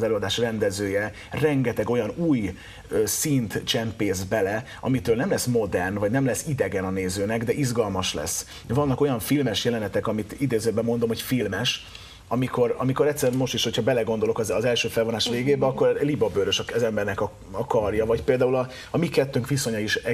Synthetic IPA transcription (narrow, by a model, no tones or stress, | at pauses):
zɛløːɒd̪aːʃrɛnd̪ɛzøːjɛ | rɛŋɡɛt̪ɛɡo̞jɒnuːj | øsint̪t͡ʃɛmpeːzbɛlɛ | ɒ̰mit̪øːlnɛmlɛsmo̞d̪ɛrnvɒɟnɛmlɛsːid̪ɛɡɛnɒneːzøːnɛɡd̪ɛʔizɡɒlmɒʃlɛ̰s | vɒnːɒko̞jɒɱfilmɛʃjɛlɛnɛt̪ɛkɒmit̪id̪eːzøbɛmːo̞n̪d̪o̞mhocfilmɛʃ | ɒmiko̞rɒmiko̞ɾɛt̪sːɛɾɛnmo̞ʃt̪iʃho̞cʰhɒbɛlɛɡo̞nd̪olo̞kɒzɒzɛlʃøːfɛlvonaːʃʋeːɡeːbɛɒkːo̞rlibɒbøɾøʃɒzɛmbɛrnɛkɒ | ɒkɒrjɒvɒcpeːld̪aːulɒː | mikɛt̪ːøŋkʋiso̞ɲɒiʃɛ